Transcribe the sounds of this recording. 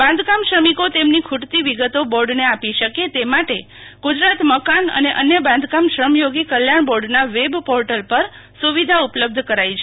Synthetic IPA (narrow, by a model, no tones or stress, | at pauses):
bãnd̪ʱkamʃɾəmikot̪emnikʰuʈt̪iʋiɡət̪oboɾɖneapiʃəket̪emaʈe | ɡ̥ud͡ʒɾat̪məkanə̰neʔənjəbãnd̪ʱkamʃɾəmjoɡikəljaɳbɔɖnaʋebpɔɾʈəlpəɾ | suʋid̪ʱaupləb̚d̪ʱkəɾajt͡ʃʰe